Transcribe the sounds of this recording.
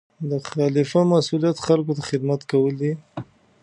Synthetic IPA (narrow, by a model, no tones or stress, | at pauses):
d̪əxɑlɪfamasulijat̪xalkot̪axɪd̪mat̪kawəld̪i